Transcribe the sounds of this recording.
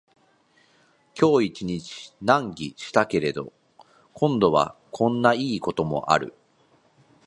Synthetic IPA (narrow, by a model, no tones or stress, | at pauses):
kʲo̞ːit͡ɕiɲ̟it͡ɕi̥nãŋɡʲiɕi̥t̪ake̞ɾe̞d̪o̞ | kʰõ̞nd̪o̞β̞a̰kʰõ̞nːaiːko̞t̪o̞mo̞̰ʔa̰ɾɯ̟̰